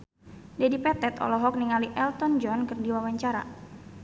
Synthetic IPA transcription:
dɛdipɛt̪ɛt̪ɔ̰lɔɦɔk̚niŋaliʔɛlt̪ɔnd͡ʒɔnkərdiwawaɲt͡ʃaɾa̰

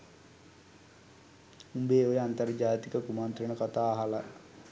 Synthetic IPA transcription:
umbeːojəant̪ɐrd͡ʒaːt̪ikəkumant̪ɾəɳəkat̪aːɦala

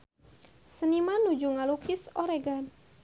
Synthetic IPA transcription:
sənimanːud͡ʒuŋalukɪsoɾeɡan

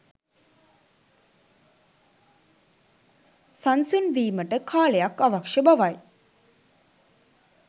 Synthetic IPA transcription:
sansunʋiːməʈəkʰaːlejakaʋakʂəbaʋaj

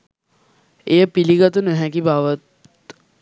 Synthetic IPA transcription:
ejəpiliɡət̪unəɦɛkibaʋət̪̚

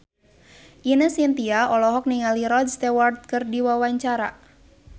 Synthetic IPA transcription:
ʔinəsint̪iaɔlɔɦɔk̚niŋaliɾɔdst̪ewart̪̚kɨrdiwawaɲt͡ʃaɾa

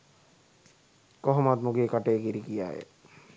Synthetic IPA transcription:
kɔɦomat̪muɡeːkaʈejɡiɾikija̰jḛ

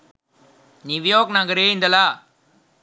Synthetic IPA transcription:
niʋijoːknaːŋɡɐɾeːɪnd̪ɐlaː

